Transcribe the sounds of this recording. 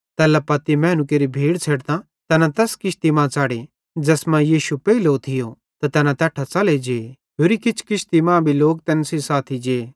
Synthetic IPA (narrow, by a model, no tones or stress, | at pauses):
t̪ɛlapɐt̪imɛ̃ːnʊk̬eːɾibʱiːɽt͡sʰɛːɽt̪ã | t̪ɛːnãt̪ɛskɪʃt̪imãːt͡saːɽe | d͡ʒɐsmãjiːʃupɛːilot̪ʰɪjo | t̪at̪ɛːnãt̪ɐːʈʰat͡sɐled͡ʒeː | ɦoːɾikɪt͡ʃʰkɪʃt̪imãːbʱiloːk̚t̪ɛnsisaːt̪ʰid͡ʒeː